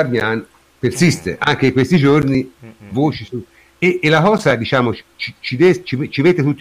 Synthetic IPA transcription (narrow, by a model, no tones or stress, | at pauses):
aɾmjan | persist̪ḛʔa̰ŋk̟eiŋkwest̪id͡ʒornivoːt͡ʃisu | eːlːakɔːsad̪it͡ʃaːmot͡ʃt͡ʃit͡ʃid̪et͡ʃit͡ʃimet̪ːet̪ut̪ːi